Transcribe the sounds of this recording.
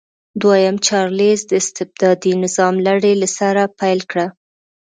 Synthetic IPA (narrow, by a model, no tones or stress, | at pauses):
d̪wajamt͡ʃɑɾlezd̪əɪst̪ɪb̚d̪ɑd̪inɪzɑmlaɽelasaɾapajlkɽa